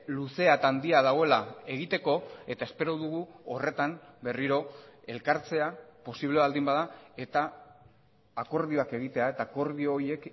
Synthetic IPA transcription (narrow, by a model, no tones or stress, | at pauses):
luse̞at̪and̪iaðaɣo̞e̞lae̞ɣ̞it̪e̞ko̞e̞t̪ae̞spe̞ɾoðuɣuore̞t̪ambe̞riɾo̞e̞lkaɾt͡se̞apo̞siβle̞β̞ald̪imbaðae̞t̪a | ko̞ɾðio̞ake̞ɣit̪e̞ae̞t̪aːko̞ɾðioːje̞k